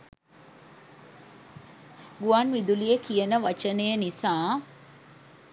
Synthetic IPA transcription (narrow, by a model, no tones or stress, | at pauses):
ɡuanʋid̪ulijekijənəʋat͡ʃənejənisaː